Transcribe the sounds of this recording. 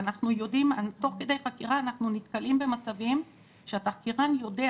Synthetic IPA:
anaχnujo̞dimat̪o̞χke̞de̞jχakiʁaːnaχnunit̪kalimbe̞mat͡savim | ʃeataχkiʁanjo̞de̞

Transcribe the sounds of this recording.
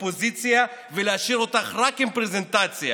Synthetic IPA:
pozit͡sjaveleaʃiɾot̪aχʁakempʁezent̪at͡sja̰

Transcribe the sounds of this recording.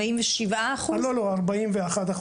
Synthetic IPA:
aimveʃivʔaːχualoloaʁbaimveaχad̪aχ

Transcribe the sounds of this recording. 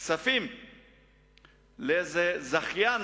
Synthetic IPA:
safim | leezezaχjan

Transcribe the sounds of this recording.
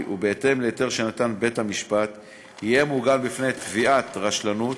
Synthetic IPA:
ʔubeete̞mleet̪e̞ʁʃenat̪anbe̞thamiʃpat̪ | hijemuɡalbifnet̪viʔat̪ʁaʃlanut

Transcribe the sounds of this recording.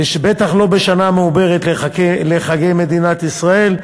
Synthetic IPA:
ʃbet̪aχlo̞beʃanameube̞ʁet̪lkleχaɡejme̞d̪inat̪isʁae̞l

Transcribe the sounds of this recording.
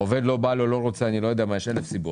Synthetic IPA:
ove̞d̪lo̞balolo̞ʁot͡seanilo̞jod̪eamajeʃelefsibu

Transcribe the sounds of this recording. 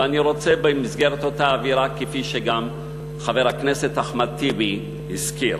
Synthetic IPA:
aniʁo̞t͡sebemizɡeʁet̪otaːviʁakefiʃeɡam | χaveʁhakneset̪aχmat̪ibi | hiskiɾ

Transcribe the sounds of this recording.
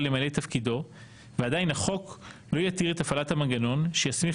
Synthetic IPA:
lemale̞jt̪afkido̞ | veadajinaχo̞klo̞jatiʁet̪afalathamanɡano̞nʃejasmi

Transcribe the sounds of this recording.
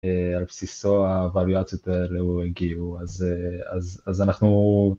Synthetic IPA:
ealpsisoavaljat͡sjot̪eleueɡiuazeazazanaχnu

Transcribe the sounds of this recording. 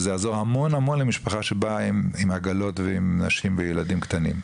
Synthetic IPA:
zeazo̞hamo̞nhamo̞nlemiʃpaχaʃebaimimaɡalo̞tveimnaʃimvejeladimkt̪anim

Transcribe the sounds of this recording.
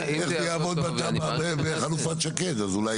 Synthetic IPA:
eχzejaːvo̞d̪̚bat̪ababebeχalufat̪ʃaket̪azulaj

